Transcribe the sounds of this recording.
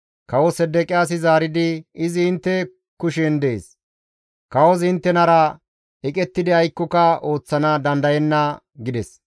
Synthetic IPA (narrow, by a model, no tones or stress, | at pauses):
kɐwɔsɛd̪ːɛkʼɪjaːs̬ɪzaːɾɪd̪ɪɪzɪɪnt̪ːɛ | kʊʃɛnd̪eːs | kɐwɔzɪnt̪ːɛnɐɾɐ | ɛkʼɛt̪ːɪd̪ɪɐjkːɔkɐo̞ːt͡sːɐnaːd̪ɐnd̪ɐjɛnːɐ | ɡɪd̪ɛs